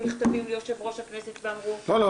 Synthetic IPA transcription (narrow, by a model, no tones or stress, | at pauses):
niχt̪avimlejoʃe̞vʁo̞ʃhakne̞set̪veamʁutolo